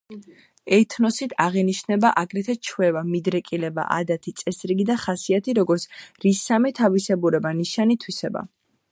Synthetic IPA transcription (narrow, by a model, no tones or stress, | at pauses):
ɛt̪ʰnɔsit̪ʰaʁiniʃnɛbaʔaɡɾɛt̪ʰɛt͡ʃʰwɛvamid̪ɾɛkʼilɛba̰ʔa̰d̪at̪ʰit̪sʼɛsɾiɡid̪aχasiat̪ʰiɾɔɡɔɾt̪sɾisamɛt̪ʰavisɛbuɾɛbaniʃanit̪ʰwisɛba̰